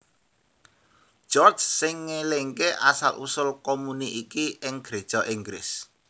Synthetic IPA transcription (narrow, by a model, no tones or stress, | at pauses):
ʒ̥ɔrd͡ʒsɪŋːeleŋkeʔasalʔṵsʊlkomuniʔikiʔɪŋɡ̥ɾe̤d̥ʒ̥ɔ̤ʔiŋɡɾɪs